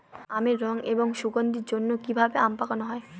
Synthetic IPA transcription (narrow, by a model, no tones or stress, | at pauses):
ameɾːɔŋeboŋʃuɡond̪iɾd͡ʑonːokibʱabeampakanoɦɔe